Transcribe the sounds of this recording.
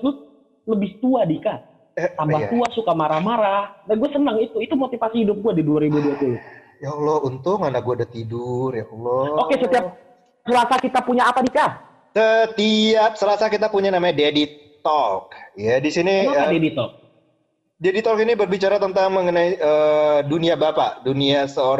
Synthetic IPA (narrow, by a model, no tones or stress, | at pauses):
t̪u | ləbɪht̪uadika | ambaht̪uasukamaɾamaɾadaɡuasənəŋit̪uit̪umot̪ifasihidʊp̚ɡuadiduaɾibuduat̪ud | jalɔunt̪ʊŋandak̚ɡuadat̪idʊrjahlɔokesət̪iap̚ | səlasakit̪apuɲaːpadika | sət̪iap̚səlasakit̪apuɲanamaɲadedit̪ɔlk̚jadisiniaadedit̪ɔk̚ | dedit̪ɔlkinibərbit͡ʃaɾat̪ənt̪aŋməŋənaiʔəduniabapa̰ʔduniasəoɾ